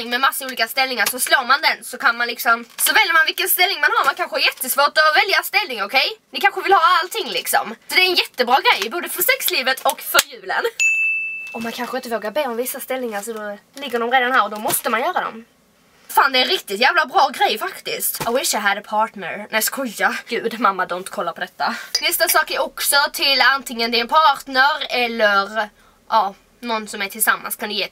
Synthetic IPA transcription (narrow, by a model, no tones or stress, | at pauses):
ɪŋmɛmasːauːliːkast̪ɛlnɪŋaɾsɔsloːɾmand̪ɛnsɔkʰanmanlɪksɔmsɔvɛljəɾmanvɪkːənst̪ɛlnɪŋmanɦaɾmankʰanɧəæɾjɛt̪ːəsvoːʈɔvɛljast̪ɛlnɪŋɔkʰɛjnɪkʰanɧəvɪlhɑːalt̪ʰɪŋːlɪksɔ̰msɔd̪ɛɛnjɛt̪ːəbɾɑːɡɾɛjboːd̪əfœsɛksliːvət̪ʰɔkfœɾjʉ̟ːlə̰n | ɔmːankʰanɧəɪnt̪əvoːɡabeːɔmvɪsːast̪ɛlnɪŋaɾsɔd̪ɔlɪɡːəɖɔmɾeːd̪anhæːɾɔd̪ɔmɔst̪əmanjœːɾad̪ɔ̰m | faːnd̪ɛɛnɾɪk̚t̪ɪt̪jæːvlabɾɑːɡɾɛjfakt̪ɪst̪aɪwɪʂaɪɦæd̪əpʰɑːʈnə̰ɾnæskʰɔjːaɡ̥ʉ̟ːd̪mamːad̪ɔːnt̪kʰɔlːaɾpʰɔd̪ɛt̪ːanɛst̪asɑːkæɾɔksɔt̪ʰɪlant̪ʰɪŋːənd̪ɪnpʰɑːʈnəɾɛlːəɾ | ʔɑː | nɔnːsɔmæʈʰɪlsamːa̰nskʰand̪ɵjeː